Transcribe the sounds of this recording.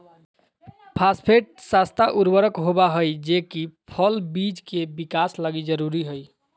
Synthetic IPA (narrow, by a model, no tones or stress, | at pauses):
pʰaspʰeʈ̚sast̪ʰaʔuɾbəɾəkɦobaɦəjd͡ʒekipʰəlbid͡ʒkebikaslaɡid͡ʒəɾuɾiɦoj